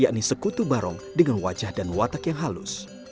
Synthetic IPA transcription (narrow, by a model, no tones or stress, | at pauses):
jaʔnisəkut̪ubaɾɔŋdəŋanwad͡ʒahdanwat̪akjaŋɦalʊ̰s